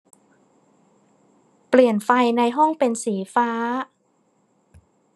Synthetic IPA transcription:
pli˨˩ənfa˧jna˧jɦɔ˥˩ŋpe˧nsiː˩˦faː˦˥

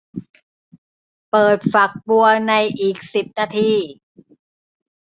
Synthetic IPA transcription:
pɤː˨˩t̪̚fa˨˩k̚bu˧ɐna˧jʔiː˨˩k̚si˨˩p̚naː˧t̪ʰiː˧˩

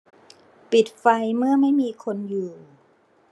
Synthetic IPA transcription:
pi˨˩t̪̚fa˧jmɯ˥˩ɐma˥˩jmiː˧kʰo˧njuː˨˩

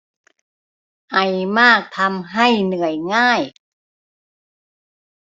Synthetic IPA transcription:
ʔa˨˩jmaː˥˩k̚t̪ʰa˧mɦa˥˩jnɯ˨˩əjŋaː˥˩j

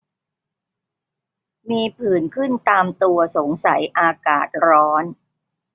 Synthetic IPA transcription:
miː˧pʰɯː˨˩nkʰɯ˥˩nt̪aː˧mt̪u˧ɐso˩˦ŋsa̰˩˦jʔaː˧ka̰ː˨˩t̪̚ɾɔː˦˥n

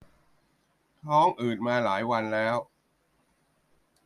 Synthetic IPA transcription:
t̪ʰɔː˦˥ŋʔɯː˨˩t̪̚maː˧laː˩˦jwa˧nlɛː˦˥w

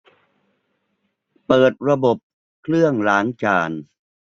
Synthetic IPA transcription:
pɤː˨˩t̪̚ɾa˧bo˨˩p̚ | kʰlɯ˥˩əŋlaː˩˦˥ŋt͡ɕaː˩n

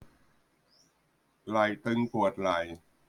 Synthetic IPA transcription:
la˨˩jt̪ɯ˧ŋpu˨˩ət̪̚la˨˩j

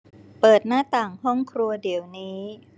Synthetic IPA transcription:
pɤː˨˩t̪̚naː˥˩t̪aː˨˩ŋhɔ˥˩ŋkʰɾu˧ɐdi˩˦wniː˦

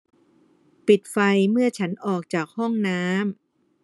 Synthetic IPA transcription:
pi˨˩t̪̚fa˧jmɯ˥˩ɐt͡ɕʰa˦˥nʔɔː˨˩k̚t͡ɕaː˨˩k̚hɔ˥˩ŋnaː˦˥m

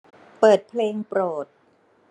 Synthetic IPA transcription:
pɤː˨˩t̪̚pʰleː˧ŋpɾoː˨˩t̪̚

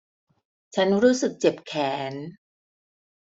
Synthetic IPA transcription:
t͡ɕʰa˦˥nɾuː˦˥sɯ˨˩k̚t͡ɕe˨˩p̚kʰɛː˩˦n

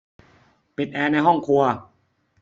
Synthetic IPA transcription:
pi˨˩t̪̚ʔɛː˧na˧jɦɔ˥˩ŋkʰu˧ɐ

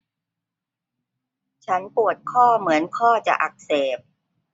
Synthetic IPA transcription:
t͡ɕʰa˦˥npu˨˩ət̪̚kʰɔː˥˩mɯ˩˦ənkʰɔː˥˩t͡ɕa̰˨˩ʔa˨˩k̚seː˨˩p̚

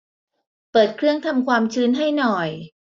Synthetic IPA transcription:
pɤː˨˩t̪̚kʰɾɯ˥˩əŋt̪ʰa˧mkʰwaː˧mt͡ɕʰɯː˦˥nɦa˥˩jnɔ˨˩j

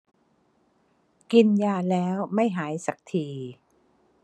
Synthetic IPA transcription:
ki˧njaː˧lɛː˦˥wma˥˩jɦaː˩˦jsa˨˩k̚t̪ʰiː˧

